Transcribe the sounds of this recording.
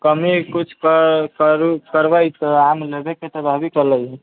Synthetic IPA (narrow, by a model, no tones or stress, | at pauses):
kəmikut͡ʃʰkəɾkəɾbajt̪ɔamlebeket̪əbʱabikələjɛ